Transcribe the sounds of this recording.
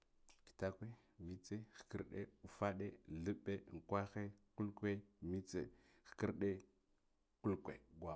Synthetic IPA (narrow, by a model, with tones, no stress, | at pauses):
ki̥˨ta˦kʷe˦ | mi˦t͡se˦xkə̰˦ɾɗḛ˦u˨fa˦ɗe˦ɮə˦ɓːe˦˨ŋ˨kʷa˦xe˦ku˦lkʷe˦mi˦t͡sḛ˨ | xki˦ɾɗe˦ | ku˦lkʷe˨ɡwa˨